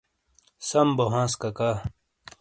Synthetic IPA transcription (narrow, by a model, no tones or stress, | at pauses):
sɐmboɦãːskɐka